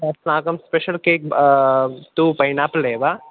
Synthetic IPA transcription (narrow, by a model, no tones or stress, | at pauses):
ɐsnãːkɐmspeʃəlkeːk̚ | t̪uːpɐjnapleːba